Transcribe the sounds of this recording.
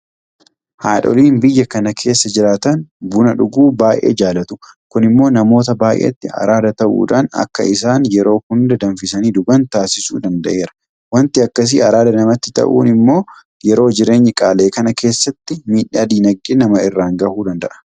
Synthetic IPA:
haːᶑɔ̰liːnbɪjːɐkɐnɐkʰe̞ːsːɐd͡ʒɪɾaːt̪ɐnbʊnɐᶑʊɡuːbaːʔḛːd͡ʒaːlɐt̪ʊ̥ | kʊnɪmːo̞ːnɐmo̞ːt̪ɐbaːʔḛːt̪ːɪɐ̰ɾaːd̪ɐt̪ɐʔṵːᶑa̰ːnɐ̰kːɐ̰ɪs̬aːnjɛɾo̞ːhʊnd̪ɐd̪ɐnfɪsɐniːd̪ʊɡɐnt̪aːsɪsṵːd̪ɐnd̪ɐʔe̞ːɾɐ̥ | wɐnt̪ɪɐkːɐs̬iːɐɾaːd̪ɐnɐmɐt̪ːɪt̪ɐ̰ʔṵːnɪmːo̞ː | jɛɾo̞ːd͡ʒɪɾe̞ːɲːɛkʼaːle̞ːkɐnɐke̞ːsːɐt̪ːɪmiːᶑːaːd̪iːnɐɡːɪnɐmɐɪrːaːŋɡɐhuːd̪ɐnd̪ɐʔɐ̥

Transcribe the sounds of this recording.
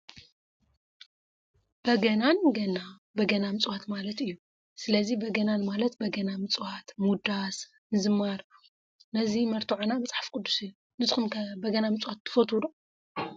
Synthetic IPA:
b̥ɐɡɐnanɡɐna | bɐɡɐnamɨt͡sʼwat̪malɐt̪ɨjːu | sɨlɐzibɐɡɐnanmalɐt̪̚bɐɡɐnamɨt͡sʼwat̪mud̪as | nɨzɨmːaɾ | nɐzimɐɾt̪ʰuʕonabɐt͡sʼaħḁfkʼʊd̪ːusɨjːu | nɨzɨxumkʰɐbɐɡɐnamɨt͡sʼwat̪ʰːɨ̥fɐt̪ʰud̪u

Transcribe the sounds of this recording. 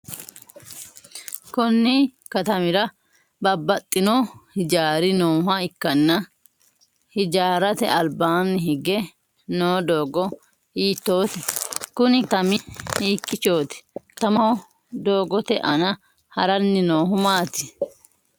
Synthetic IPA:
kɔnːi | kɐt̪ɐmɪɾɐ | bɐbːɐt̪ʼːɪnohɪd͡ʒaːɾɪnoːɦɐɪkːɐnːɐ | hɪd͡ʒaːɾɐt̪ɛ̰ʔɐlbaːnːɪɦɪɡɛ | noːd̪oːɡɔ | iːt̪ːo̞ːt̪ɛkʊnɪt̪ɐmɪiːkːɪt͡ʃo̞ːt̪ɛ̥t̪ɐmɐhɔ | d̪o̞ːɡɔt̪ɛʔɐnɐ | hɐɾɐnːɪnoːɦʊmaːt̪ɪ̥

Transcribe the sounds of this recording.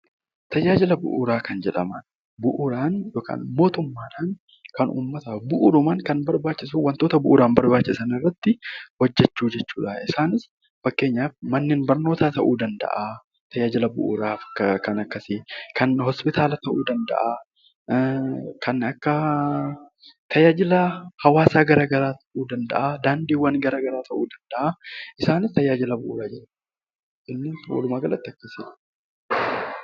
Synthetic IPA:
t̪ɐjaːd͡ʒɪlɐbʊ̰ʔʊɾaːkɐnd͡ʒɛᶑɐmɐn | bʊʔʊɾaːnjoːkʰa̰ːnmo̞ːt̪ʊmːaːᶑaːn | kɐnʔṵːmːɐt̪ɐbʊʔʊɾʊmɐŋkɐnbɐɾbaːt͡ʃːɪsuwɐnt̪o̞ːt̪ɐbʊʔʊɾaːnbɐɾbaːt͡ʃːɪsɐnɪrːɐt̪ːɪwɔd͡ʒːɛt͡ʃːuːd͡ʒɛt͡ʃːuːᶑɐɪsaːnɪs | fɐkːe̞ːɲːaːfmɐnːɪːnbɐɾno̞ːt̪aːt̪ɐʔuːd̪ɐnd̪ɐ̰ʔa | t̪ɐjaːd͡ʒɪlɐbʊ̰ʔʊ̰ɾaːfɐkɐnɐkːɐsɪkɐnɦɔspɪt̪ʰaːlɐt̪ɐʔuːd̪ɐnd̪ɐ̰ʔa | kʰɐnɐkːɐ | t̪ʰɐjaːd͡ʒɪlɐhɐwaːsaːɡɐɾaːɡɐɾaːt̪ʰɐʔuːd̪ɐnd̪ɐ̰ʔad̪aːnd̪iːwːɐnɡɐɾaːɡɐɾaːt̪ʰɐʔuːd̪ɐnd̪ɐʔaɪsaːnɪst̪ɐjaːd͡ʒɪlɐbʊʔuːɾaːd͡ʒɛɾɐ | ʔɪnːɪw̰lʊmaːɡɐlɐt̪ːɪɐkːɐsɪlɐ̥

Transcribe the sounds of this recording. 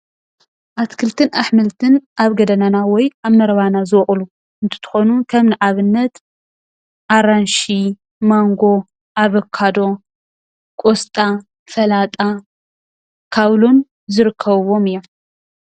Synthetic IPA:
ʔat̪kʰɨlt̪ʰɨnʔaħmɨlt̪ʰɨnʔaβɡɐd̪ɐnanawɔjaβnɐɾɐβanazɨwχʼlu | ʔɨnt̪ʰɨ̥t̪ʰɨ̥xonukʰɐmnɨʔaβɨnːɐt̪ | ʔaɾanʃi | maŋɡo̞ | ʔaβɐkʰːad̪o̞ | kʼost̪ʼa | fɐlat̪ʼa | kʰaβlo̞n | zɨɾɨkʰːɐβwo̞mɨjːom

